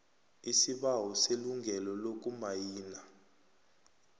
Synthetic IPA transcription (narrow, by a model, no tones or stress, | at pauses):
isiɓawɔseluŋɡʱɛlɔlok̬ʼumajiːna